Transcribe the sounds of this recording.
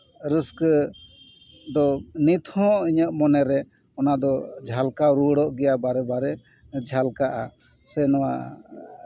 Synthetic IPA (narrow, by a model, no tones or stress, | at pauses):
ɾisk | d̪ɔnit̪ʰhɔ̃iɲəʔmɔnɛɾɛ | ɔnad̪ɔd͡ʒʱalkaɾuɽɔʔɡɛjabaɾɛbaɾɛ | d͡ʒʱalkaʔa | sɛnɔwa̰